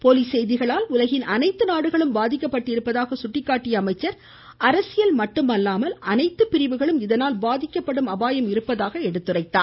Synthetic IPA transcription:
poːliːsɛjðɪɣɐɭaːlʊlɐɣɪnʔɐnɐɪt̪ːɯnaːɽɯɣɐɭɯmbaːðɪkʲːɐpːɐʈːɪɾɯpːɐðaːɣɐsʊʈːɪkːaːʈːɪjɐːmɐɪt͡ʃːɐɾ | ɐɾɐsɪjɐlmɐʈːɯmɐlːaːmɐlɐnɐɪt̪ːɯpːɪɾɪʋɯɣɐɭɯmɪðɐnaːlbaːðɪkːɐpːɐɽɯmɐbaːjɐmɪɾɯpːɐðaːɣɐɛɽɯt̪ːɯrɐɪt̪ːaː

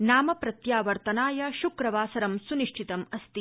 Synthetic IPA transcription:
naːmɐpɾɐt̪jaːʋɐɾt̪ɐnaːjɐʃukɾɐʋaːsɐɾɐmsuniʂʈʰit̪ɐmɐst̪i

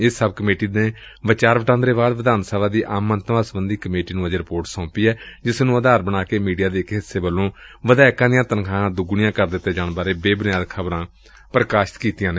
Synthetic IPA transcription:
ɪsːəb̚kəmeːʈiːd̪eː | ʋɪt͡ʃaːɾʋəʈãːnd̪ɾeːbaːd̪ʋəd̪aːnsaːlaːd̪iːʔaːmənt̪ʋaːsəbənd̪iːkəmeːʈiːnũːəd͡ʒɾɪpoːɾʈsɔ̃ːpiːɛːd͡ʒɪsnũːəd̪aːɾbənaːkeːmiːɖijaːd̪eːɪkɦɪsːeːbəlːõːʋəd̪ɛːkãːd̪ɪjãːt̪ənkʰãːãːd̪ʊɡʊɳɪjãːkəɾd̪ɪt̪ːeːd͡ʒaːnbaːɾeːbeːbɪnɪjaːd̪kʰəbɾãː | pɾəkaːʃɪ̥t̪kiːt̪ɪjãːneː

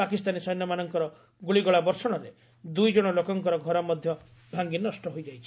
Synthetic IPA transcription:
akist̪anisɔjnːɔmanɔŋkɔɾɔ | ɡuɭiɡɔɭabɔɾsɔɽ̃ɔɾe | d̪ujd͡ʒɔɽ̃ɔlokɔŋkɔɾɔɡʱɔɾɔmɔd̪ʱjɔ | bʱaŋɡinɔsʈɔɦojd͡ʒajt͡ʃʰi

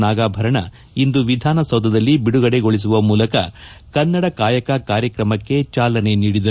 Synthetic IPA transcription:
naːɡaːbʱɐɾɐɳɐ | ind̪uʋid̪ʱaːnɐsɐwd̪ʱɐd̪ɐlːibiɽuɡɐɽe̞ɡo̞ɭis̬uʋɐmuːlɐkɐ̰ | kɐnːɐɽɐkaːjɐkɐkaːɾjɐkɾɐmɐkːe̞t͡ʃaːlɐne̞niːɽid̪ɐ

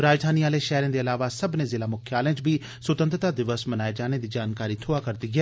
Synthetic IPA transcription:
ɾaːd͡ʒd̪ʱaːniːaːleʃɛɦɾẽːd̪eːəlaːʋasəbnẽzɪlaːmʊkʰjaːlẽt͡ʃbʱiː | sʊt̪ənt̪ɾət̪aːd̪ɪʋəsmənaːed͡ʒaːned̪iːd͡ʒaːnkaːɾiːt̪ʰoːaːkəɾd̪iːɡɛː

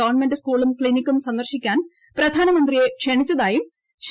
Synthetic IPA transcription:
ɐʋɐɳmendɐskuːɭumkɭinikʲːumsɐnd̪ɐrɕikʲːaːn | prɐd̪ʱaːnɐmɐnd̪rije̞kʂeɳit͡ɕːɐðaːjum | ɕ

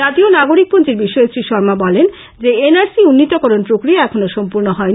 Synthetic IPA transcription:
at̪ionaɡoɾik̚pont͡ɕiɾbiʃːoesɾiʃɔɾmabɔlen | d͡ʑeenaɾsiunːit̪okɔɾonpɾokɾiaɛkʰonoʃɔmpuɾnoɦɔei

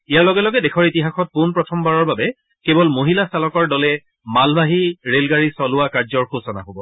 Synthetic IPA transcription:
ijalɔɡɛlɔɡɛdɛkʰɔɹitiɦaxɔt̚punpɹɔtʰɔmbaɹɔɹbabɛ | kebɔlmoɦilasalɔkɔɹdɔlɛ | malbaɦiɹelɡaɹisɔlʊakaɹzɔɹxosɔna̰ɦobɔ

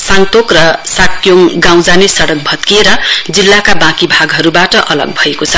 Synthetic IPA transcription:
saŋt̪okrʌsakjoŋɡaw̃d͡zanesʌɽʌk̚bʱʌt̪kieɾʌd͡zilːakabãkibʱaɡɦʌɾubaʈʌʔʌlʌ̰ɡ̚bʱʌekot͡sʰʌ

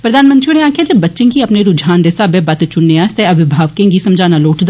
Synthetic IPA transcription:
pɾəd̪aːnmə̃nt̪ɾiuːneaːkʰjaːd͡ʒeːbətːʃẽːɡiːəpneːɾʊd͡ʒʱaːnd̪eːsaːbeːbət̪t͡ʃʊnːeast̪eːəʋɪbʱaːʋkẽːŋɡiːsəmd͡ʒaːnaːloːʈd̪

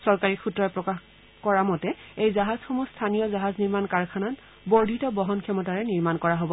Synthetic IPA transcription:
sɔɹkaɹikʰutɹɔjpɹɔkax | kɔɹamɔtɛejzaɦaz̥xɔmustʰanijɔzaɦazniɹmankaɹkʰanat | bɔɹdʱitɔbɔɦɔnkʰɛmɔtaɹɛniɹmankɔɹaɦobɔ

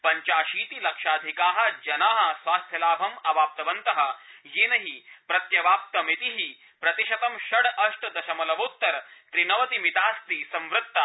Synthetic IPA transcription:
pɐɲt͡ʃaːʃiːt̪ilɐkʃaːd̪ʱikaːɦɐ̆d͡ʒɐnaːɦɐ̆sʋaːst̪ʰjɐlaːbʱɐmɐʋaːp̚t̪ɐʋɐnt̪ɐɦɐ̆jeːnɐɦipɾɐt̪jɐʋaːp̚t̪ɐmit̪iɦi | pɾɐt̪iʃɐt̪ɐmʃɐɽɐʂʈɐd̪ɐʃɐmɐlɐʋoːt̪ːɐɾt̪ɾinɐʋɐt̪imit̪aːst̪isɐ̃mʋɾɨt̪ːa

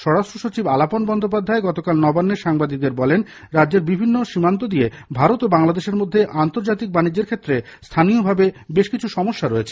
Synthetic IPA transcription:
ʃɔɾɽaʃʈɾoʃot͡ɕibalaponbɔnd̪ʱop̬ad̪ʱːaeɡɔt̪okalnɔbanːeʃaŋbad̪ik̚d̪eɾbɔlen | ɾadd͡ʑeɾbibʱinːoʃimant̪̬od̪ie | bʱaɾot̪obaŋlad̪eʃeɾmod̪ʱːeʔant̪oɾd͡ʑat̪ik̚banid͡ʑːeɾkʰet̪ːɾest̪ʰanijobʱabebeʃkit͡ɕʰuʃɔmoʃːaɾoet͡ɕʰe

